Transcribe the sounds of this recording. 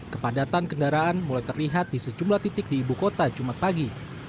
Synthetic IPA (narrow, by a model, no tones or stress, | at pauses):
kəpadat̪ankəndaɾaʔanmulajt̪ərliɦat̪̚disəd͡ʒumlaht̪it̪ɪk̚diːbukot̪ad͡ʒumat̪̚paɡi